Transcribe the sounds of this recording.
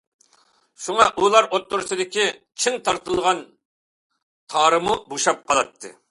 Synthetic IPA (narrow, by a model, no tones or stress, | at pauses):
ʃuŋɑʔulˠɑɾot̪ːʊɾsɨd̪ɪkʲi | t͡ʃʰiŋt̪ʰɑɾt̪ɨlˠʁɑn | t̪ʰɑːɾɨmuboʃɑp̚qʰɑlˠɑt̪ʰːɨ̰